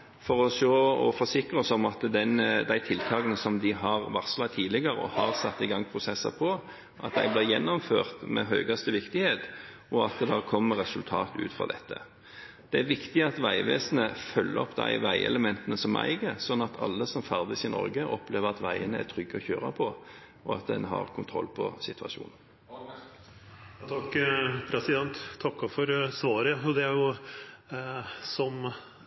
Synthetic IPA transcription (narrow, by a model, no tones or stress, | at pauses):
fɔɾɔʃoːɔ̰fɔsɪkʁəɔsɔmɑt̪d̪ɛnd̪æɪt̪ʰɪlt̪ʰɑːɡənəsɔmd̪ɪɦɑʁʋɑʁslɑt̪ʰiːd̪lɪɡəɾəɔ̰hɑʁsɑt̪ːɪɡɑŋːpʰʁʊsɛsːɑ̰pʰɔ | ʔɑt̪̚d̪æ̰ɪblɪːʁjɛnːʊmfø̰ːʁt̪mɛ̰ɦœːɡɑst̪əʋɪkt̪ɪheːt̪ | ɔɑt̪̚d̪ɛd̪æʁkʰɔmːəɾɛsʉlt̪ʰɑ̰ːt̪ʉ̰ːt̪fʁɑ̰d̪ɛt̪ːə̰ | d̪̥ɛæɾʋɪkt̪ɪɑt̪ʋæɪʋeːsənəfœlːəɔpd̪æɪʋæɪɛ̰ləmɛnt̪ənəsɔmæ̰ɪɡəsɔnːɑt̪ʰɑ̰lːəsɔmfæʁd̪ɪsɪnɔ̰ɾɡəʔɔpleːʋəɾɑt̪ʋæɪənəæ̰t̪ʰɾʏɡːəɔçøːɾɑpʰɔ | ɔɑt̪̚d̪ɛ̰nɦɑ̰ɾkʰʊnt̪ʰɾɔ̰lːpʰɔsɪt̪ʰʋɑʃṵːnn̩ | t̪ʰɑkːpʰɾɛsɪd̪ɛnt̪ʰːɑkːɔfɔɾsʋɑːɾəɔd̪ɛæjʊ | sɔm